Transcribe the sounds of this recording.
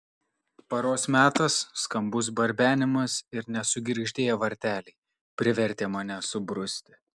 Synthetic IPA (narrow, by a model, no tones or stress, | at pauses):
pɐɾoːsmʲæːt̪ɐsːkɐmbʊs̬bɐɾʲbʲæːnʲɪmɐsɪɾnʲɛsʊɡʲɾʲɪʒʲd̪ʲeːjɛʋɐɾʲt̪ʲæːlʲɛɪ | pʲɾʲɪʋʲɛɾʲt̪ʲeːmɑːnʲɛsʊbɾʊsʲt̪ʲɪ